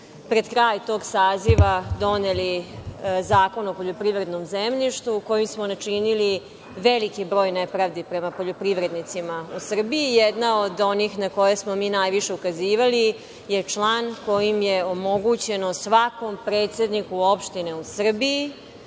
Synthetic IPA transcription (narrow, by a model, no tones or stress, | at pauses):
pɾe̞d̪kɾaːjt̪o̞ːɡsaːziʋad̪o̞neli | zaːko̞nopoʎopɾiʋɾe̞d̪no̞mzemʎiʃt̪uko̞jimsmonat͡ʃinili | ʋelikibɾo̞ːjnepɾaʋd̪ipɾe̞mapo̞ʎopɾiʋɾe̞d̪nit̪simausr̩biijɛd̪naod̪o̞niːxnako̞jesmo̞miːnaːjʋiʃe̞ukaziːʋali | jet͡ʃlaːnko̞jimjeomo̞ɡut͡ɕe̞nosʋako̞mpɾe̞ːt̪se̞d̪nikuo̞pʃt̪ine̞usr̩bii